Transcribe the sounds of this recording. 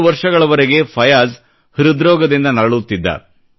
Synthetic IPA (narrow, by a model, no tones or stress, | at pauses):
uʋɐɾʂɐɡɐɭɐʋɐɾeɡe̞pʰɐjaːz | hiɾud̪ɾɔːɡɐd̪ind̪ɐnɐɐɭut̪ːid̪ːɐ̰